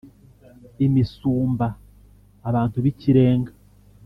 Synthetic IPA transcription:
imisuːmbaː | βaːntuβiciɾe̞ːŋɡḁ

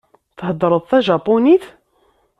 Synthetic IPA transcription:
θhəd̪ːɾˤəðˤθæʒɑpuniθ

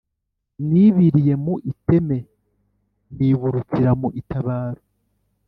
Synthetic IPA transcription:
niβiɾije̞muʔite̞me̞ | niβuɾut͡siɾamuʔitaβaːɾo

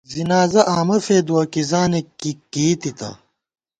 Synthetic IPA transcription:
zinaːzɐʔaːmɐfeːd̪uɐkizaːnekːikːiːt̪it̪ɐ̰

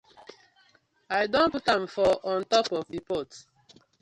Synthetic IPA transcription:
ajdõnputãmfɔʔɔ̃ntɔpɔvdipɔt

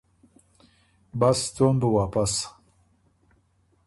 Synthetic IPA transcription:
bast̪onbəwaːpas

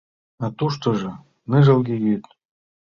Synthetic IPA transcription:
at̪uʃt̪oʒɤ̆ | nɨʒɤ̆lˠɡʲejyt̪

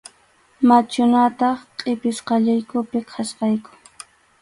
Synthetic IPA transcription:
mat͡ʃʊnat̪ɑχqʼɪpɪsqɑʎajkʊpɪkʰasqɑjkʊ̥

